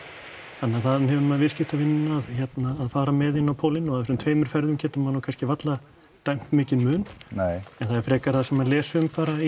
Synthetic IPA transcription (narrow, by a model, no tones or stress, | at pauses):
θanːaθaðnhɛvʏnmaðvɪscɪht̪avɪnːnaːðçɛt̪naːðfaːɾamɛðɪnːawpʰoːwlɪnɔɣaðɛɾsʏmt̪ʰveːjmʏɾ̥fɛɾðʏmcɛːt̪ʏmanːukʰanscɪvat̪la | t̪ajm̥t̪mɪːcɪnmʏːnnejɛnθaðɛɾ̥fɾɛːkaɾ̥θasɛmanlɛːsʏʏmfaːɾa